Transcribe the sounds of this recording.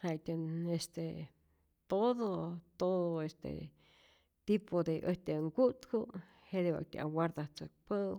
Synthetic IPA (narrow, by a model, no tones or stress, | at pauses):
hat̪ʲanest̪e | t̪oðot̪oðoest̪ḛ | t̪ipʰod̪eʔəht̪eŋkut̪ku | hed̪ewa̰k̚t̪ʲa̰a̰waɾd̪aht͡sək̚pə